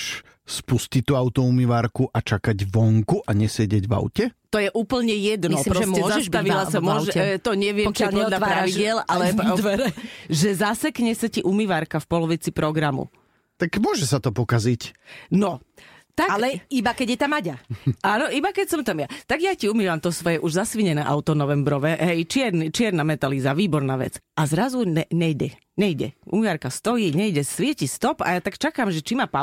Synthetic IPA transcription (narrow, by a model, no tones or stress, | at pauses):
ʃ | spuscict̪uaʊt̪ɔumiʋaːɾkuʔat͡ʃakaɟʋɔŋkuʔaɲɛsɛɟɛɟʋa̰ʊcɛt̪ɔjɛʔuːpl̩ɲɛjɛd̪nɔpɾɔsɔzʒaɛʃt̪aʋilasamʊɔʒɛt̪ɔɲɛʋɪɛt͡ʃɛɔlʎapɾaʋiɟɪɛlalɛd̪ʋɛɾɛʒɛzasɛkɲɛsaciʔumiʋaːɾkafpɔlɔʋit͡sipɾɔɡɾamṵ | t̪akmʊɔʒɛsat̪ɔpɔkazicnɔt̪aklɛibakɛɟjɛt̪amaɟaʔaːnɔʔibakɛcsɔmt̪amjat̪aɡjaciumiʋamt̪ɔsʋɔjɛʔuʒzasʋiɲɛnɛːʔa̰ʊt̪ɔnɔʋɛmbɾɔʋɛɦɛjt͡ʃɪɛɾnit͡ʃɪɛɾnamɛt̪alizaʋiːbɔɾnaːʋɛ̰t͡sʔazɾazuɛɲɛjɟɛ | ɲɛjɟɛ̰ṵmiʋaɾkast̪ɔjiːɲɛjɟɛsʋɪɛcist̪ɔpa̰jat̪akt͡ʃakamʒɛt͡ʃimapa